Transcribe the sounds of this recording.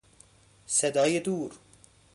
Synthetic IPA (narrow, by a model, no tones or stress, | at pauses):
sed̪ɑːjed̪uːɾ